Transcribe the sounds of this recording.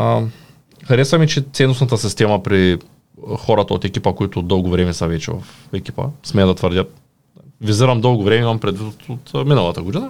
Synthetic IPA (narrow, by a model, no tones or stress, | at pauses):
xaɾɛsvamit͡ʃɛt̪sɛnosnat̪asist̪ɛmapɾi | xɔɾat̪ɐot̪ɛkʲipɐkoit̪ʊd̪ɔlˠɡʊvɾɛmɛsavɛt͡ʃɛ̰va̰fɛkʲi̥pɐ̰smɛd̪ɐt̪vrɾd̪jat̪ | viziɾɐmd̪ɔlˠɡʊvɾɛmɛimampɾɛd̪vit̪t̪ot̪minalˠat̪aɡod̪ina